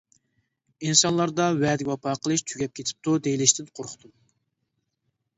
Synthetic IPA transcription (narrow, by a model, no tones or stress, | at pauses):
insɑnlˠɑɾd̪ɑwɛd̪ɪɡʲwɑpʰɑːqʰəlˠɨʃt̪ʰyɡʲɛp̚kʲʰet̪ʰɪ̥p̚t̪ud̪ejilɪʃt̪ʰɪnqʰoɾχʰʊ̥t̪ʰum